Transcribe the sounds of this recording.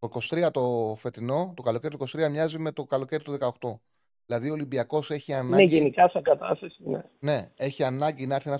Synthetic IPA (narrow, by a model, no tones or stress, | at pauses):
oiko̞st̪ɾiɐt̪o̞fe̞t̪ino̞t̪okɐlo̞ce̞ɾit̪iko̞st̪ɾiɐmɲɐzime̞t̪o̞kɐlo̞ce̞ɾit̪oðe̞kɐo̞xt̪o̞ | ðilɐðio̞limbiɐko̞se̞çiɐnɐneʝenikɐsɐɡɐt̪ɐst̪ɐsinene̞e̞çiɐnɐɲɟinɐeɾθinɐ